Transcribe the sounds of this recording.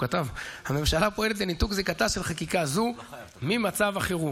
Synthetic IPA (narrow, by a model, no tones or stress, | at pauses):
kat̪avhame̞mʃalapo̞e̞le̞t̪̬lenit̪ukzekat̪avʃelχakikazu | mimat͡savaχeʁu